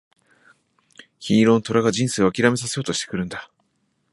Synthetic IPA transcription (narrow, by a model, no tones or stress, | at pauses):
çiːɾõ̞nt̪o̞ɾaɡad͡ʑĩɰ̃seːo̞akʲiɾame̞s̬ase̞jo̞ːt̪o̞ɕi̥t̪ekɯ̟ɾɯ̟̃nd̪a